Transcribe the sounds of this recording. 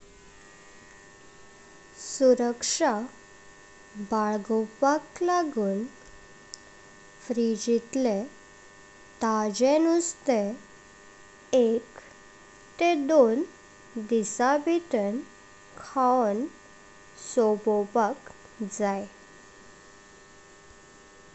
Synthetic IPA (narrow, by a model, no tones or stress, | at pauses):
suɾəkʂa | baɭɡɔpaklaɡuːn | fɾid͡ʑit̪le | t̪ad͡ʑenust̪e | ek | t̪ed̪on | d̪isabiʈ̪ən | kʰan | sobɔpak | d͡zaj